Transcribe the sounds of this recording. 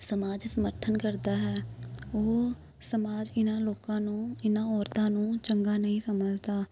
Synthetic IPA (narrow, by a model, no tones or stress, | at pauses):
səmaːd͡ʒsəməɾt̪ʰənkəɾd̪aːɦɛːoː | səmaːd͡ʒɪnãːloːkãːnũːɪnãːɔːɾt̪ãːnũːt͡ʃəŋɡaːnəɦĩːsəməd͡ʒt̪aː